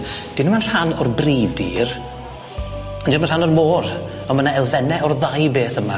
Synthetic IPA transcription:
d̥ɪnəmanr̥hanɔrbriːvdiːr | ɔndɪnmanrhanɔrmoːɾ | ɔmənaɛlˠvɛnɛɔrðajbeːθəma

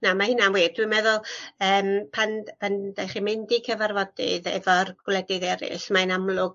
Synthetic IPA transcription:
namahɪnanweːd̚d̥wimɛðʊlˠəːmpʰanpʰandajχimɪndikʰəvarvɔdɪ̰ðɛvɔrɡ̥wlˠɛdɪðɛɾɪ̰ɬmaɨnamlˠʊɡ

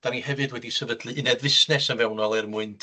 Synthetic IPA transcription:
d̥anihɛvɨdwɛdisɛvədlɨɨnɛdvɪsnɛsənvɛwnɔlˠɛrmʊɨntʰ

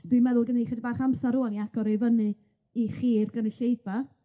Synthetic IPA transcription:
d̥imɛðʊɡəneχɛdibaːχamsaɾuːaniaɡ̥ɔɾejvənɨ | iχiːrɡənɨɬejva

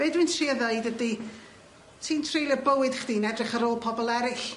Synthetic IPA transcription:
b̥eːdwɨntʰriəðəɨdədi | tʰiːntʰrejlˠəbəwɪd̥χəd̥iːnɛdrɪχəɾoːlˠpʰɔbɔlˠɛɾɪɬ

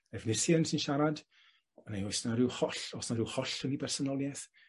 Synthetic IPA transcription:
ɛvnɪrsəənsɪnʃaɾad | ənajɔjsnaɾɪwhɔɬɔsnaɾɪwhɔɬənibɛrsɔnɔlˠjɛθ

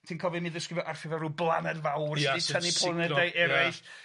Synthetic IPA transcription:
tʰiːnkʰɔvimɨðəskrɪvjɔʔarfɪvɔɾublˠanɛdvawritʰənipʰlˠənɛdajʔɛɾajɬ

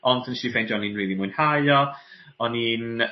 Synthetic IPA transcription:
ɔndʰənʃivejndɔninriːlˠimʊɨnhajɔ | ɔnin

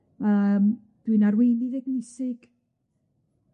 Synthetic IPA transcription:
əːm | d̥winaɾwejndiðɛɡnɪsɪɡ̥

